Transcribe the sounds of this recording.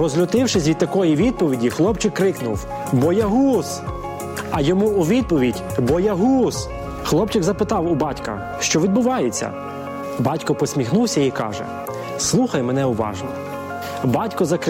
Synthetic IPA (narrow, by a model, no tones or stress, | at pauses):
rɔzlʲʊt̪ɪwʃɪsʲʋʲid̪t̪ɐkɔjiʋʲid̪̚pɔʋʲidʲixlˠɔpt͡ʃɪkːɾɪknʊw | bɔjɛɦus | ɐjɔmuːʋʲid̪̚pɔʋʲidʲ | bɔjɛɦus | xlˠɔp̚t͡ʃɪkzɐpɪt̪ɑwʊbɑtʲkɐ̰ | ʃt͡ʃɔʋʲid̪̚bʊʋɑjet͡sʲːɐ̰ | bɑtʲkɔpɔsʲmʲixnuwsʲɐikɑ̰ʒɛ̰ | slˠuxɐjmɛn̪ɛʊʋɑ̰ʒnɔ | bɑtʲkɔzɐk